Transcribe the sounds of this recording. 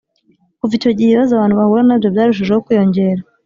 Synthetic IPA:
kuvico̞ɟiheβazaβaːn̥uβahuɾanabjo̞bjaːɾuʃ̬iʒehokujo̞ɲɟe̞ɾa

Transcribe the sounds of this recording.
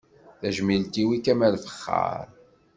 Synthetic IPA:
θæʒmilt̪iwikæmælfə̥χːɑ̰ɾ

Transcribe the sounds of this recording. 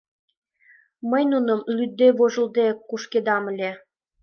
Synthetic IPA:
məjnunə̆mlyd̪ːeβoʒə̆ld̪ekːuʃked̪ɑmə̆lʲe

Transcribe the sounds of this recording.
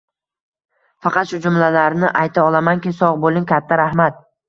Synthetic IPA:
fɑqʰɑt̪ʃʊd͡ʒʊmlalaɾnɪʔajt̪ʰaɒlˠamaŋkʲɪsɒʁbolˠɪŋkʲʰat̪ʰːaɾahmat̪̚

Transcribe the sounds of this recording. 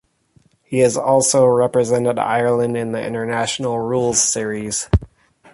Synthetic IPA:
hiɨzɔlˠsoʊɹɛpɹɨzɛ̃ntɨɾa̰ɪə˞lˠə̃ndɨ̃nðiʔɪ̰̃ñə˞næʃn̩l̩ˠɹulˠz̥sɪɹiz̥

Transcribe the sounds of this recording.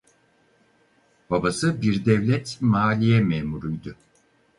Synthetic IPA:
b̥abasɯbiɾd̪ɛvlʲɛt̪maːlʲijɛmɛːmuɾujd̪ʊ

